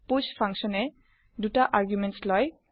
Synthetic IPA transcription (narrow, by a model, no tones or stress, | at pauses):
puspʰãŋkʃɔnɛ | dutaʔaɹɡjumɛntslɔj